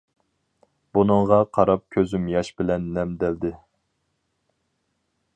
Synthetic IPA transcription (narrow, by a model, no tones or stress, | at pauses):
b̥unɨŋʁɑqʰɑɾɑp̚kʲʰøzymjɑʃbɪlɛnːɛmd̪ɛld̪ɪ